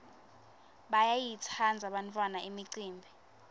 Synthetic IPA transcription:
ɓajajitʰand͡zʱaɓantʰʼwanaʔimiǀiːmbʱi

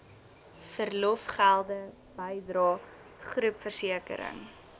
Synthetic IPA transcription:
fərlɔfχælˠdə | bəjdɾɑː | χrʉpfərsiəkə̰ɾə̰ŋ

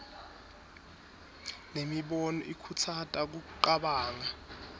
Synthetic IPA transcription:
nemiɓɔnɔ̰ʔikʰut͡sʰatʼak̬uǃaɓaːŋa

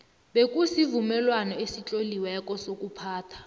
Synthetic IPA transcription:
ɓekʼusivumɛlwanɔesit͡ɬʼoliwɛkʼɔsokʼupʰaːtʰḁ

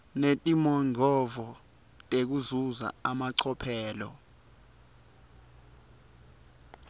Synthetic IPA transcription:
netʼimɔŋʱɔvɔ | tʼek̬uzuza̰amaǀʰɔpʰɛːlɔ̰

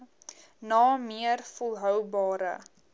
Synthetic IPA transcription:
nɑːmiərfɔlˠɦœwbɑːɾə̰

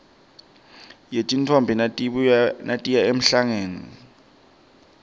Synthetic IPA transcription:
jetʼintʰɔmbʱi | natʼijaem̩ɬaŋeːni

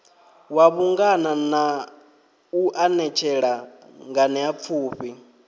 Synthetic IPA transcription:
waβuŋɡanana | uʔanɛt͡ʃʰɛɺa | ŋɡanɛap̪fʰuːɸi

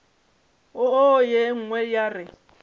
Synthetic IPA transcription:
ʊojeŋ̩ŋwɛjarɪ

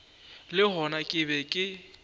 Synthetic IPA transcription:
lɪɦɔnakʼɪbɛkʼɪ

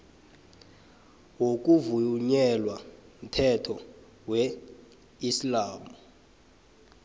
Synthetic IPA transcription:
wok̬ʼuvuɲɛlwam̩tʰɛtʰɔ | wɛ | islaːmu

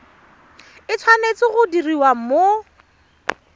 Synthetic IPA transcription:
ɪt͡sʰwanet͡sɪɣʊdiriwamo

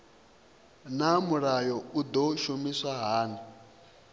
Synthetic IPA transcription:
namuɾajɔud̪ɔʃomiswaɦaːni

